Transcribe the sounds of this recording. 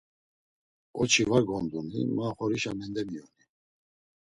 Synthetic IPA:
ɔt͡ʃʰivaɾɡɔnd̪unḭmaːχɔɾiʃamɛnd̪ɛmiɔni

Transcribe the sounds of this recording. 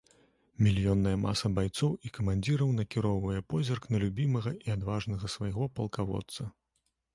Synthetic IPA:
mʲilʲjɔnːɐjɐma̰sɐbajt̪sɔwikɐmanʲd͡zʲiɾɐwn̪ɐkʲiɾɔwvɐjɛpɔzʲɐrknɐlʲubʲimɐɣɐʔiad̪vaʐnɐɣɐsvajɣɔpɐlˠkavɔ̰t̪sɐ

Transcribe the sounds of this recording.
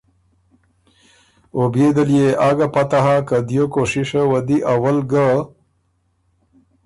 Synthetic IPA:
obed̪əljeʔaɡapat̪aɦakad̪jokoʂiʂawɐd̪iʔawəlɡə

